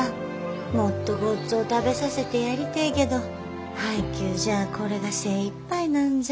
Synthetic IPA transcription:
mo̞t̪ːo̞ɡo̞t͡sɨo̞t̪abe̞sase̞t̪e̞jaɾʲit̪aike̞d̪o̞ | haikʲɨːʑaːkʰo̞ɾe̞ɡase̞ːipːainãnd͡ʑ

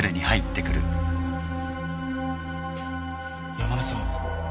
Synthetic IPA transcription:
ɾeɲ̟ihait̪ːe̞kɯ̟ɾɯ̟ | jamamasoː

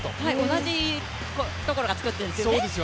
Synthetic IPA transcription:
t̪ohaionaʑi | ko | t̪o̞ko̞ɾoɡat͡sɨ̥kɯ̟t̪ːẽneskjsoːd̪esɨjo

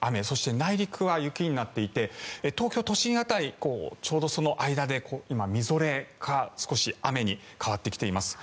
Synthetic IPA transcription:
ame̞so̞ɕi̥t̪e̞naiɾʲikɯ̟βajɯ̟kʲiɲ̟inat̪ːe̞it̪e̞et̪o̞ːkʲo̞t̪o̞ɕĩɰ̃at̪aiko̞ːt͡ɕo̞ːd̪o̞so̞no̞ʔaid̪ad̪e̞ko̞ːimamʲizo̞ɾe̞ɡasɨ̥ko̞ɕiame̞ɲ̟i | kaβat̪ːe̞kʲi̥t̪e̞imasɨ̥

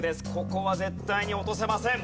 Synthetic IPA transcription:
d̪eskokoβazet̪ːajɲʲiot̪os̬emasẽm

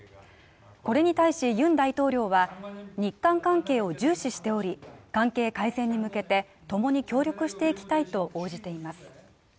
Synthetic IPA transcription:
ko̞ɾe̞ɲ̟it̪aiɕijɯ̟̃nd̪ait̪o̞ːɾʲo̞ːβaɲ̟ikːãŋkãŋke̞ːo̞d͡ʑɨːɕiɕi̥t̪e̞o̞ɾʲikãŋke̞ːkaisẽ̞ɲ̟ːimɯ̟ke̞t̪e̞ | t̪o̞mo̞ɲ̟ikʲo̞ːɾʲo̞kɯ̟ɕi̥t̪e̞ikʲi̥t̪ait̪o̞ʔo̞ːd͡ʑit̪e̞imasɨ̥

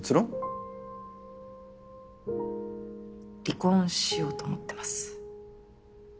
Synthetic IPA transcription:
t͡sɨɾõ | ɾʲikõɰ̃ɕijo̞ːt̪omot̪ːe̞̥masɨ̥

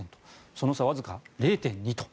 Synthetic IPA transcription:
ẽnt̪o̥so̞no̞saβazɨkaɾe̞ːt̪ẽ̞ɲ̟ɲ̟it̪o̥

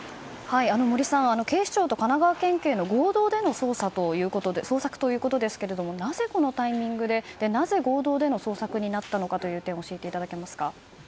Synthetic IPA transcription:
haiano̞mo̞ɾʲisãɰ̃ano̞ke̞ːɕt͡ɕo̞ːt̪o̞kanaɡaβakẽ̞ŋkʲeːno̞ɡo̞ːd̪o̞ːd̪e̞no̞so̞ːsat̪o̞jɯ̟ːko̞t̪o̞d̪esoːsakɯ̥t̪o̞jɯ̟ːko̞t̪o̞d̪e̞sɨ̥ke̞ɾe̞d̪o̞mo̞naze̞ko̞no̞t̪aimʲĩŋɡɯ̟d̪e̞d̪̥e̞naze̞ɡo̞ːd̪o̞ːd̪e̞no̞so̞ːsakɯ̟ɲ̟inat̪ːano̞kat̪o̞jɯ̟ːt̪ẽ̞ɰ̃oɕiet̪e̞it̪ad̪ake̞masɨ̥ka

